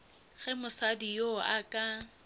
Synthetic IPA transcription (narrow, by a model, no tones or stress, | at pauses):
ɣɛmʊsadijoakʼa